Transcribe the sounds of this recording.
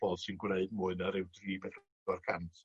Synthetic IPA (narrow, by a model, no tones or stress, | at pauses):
b̥ɔlˠsɪnɡwleɨdmʊɨnəɾɪwdriːbɛd | ɔrkʰantʰ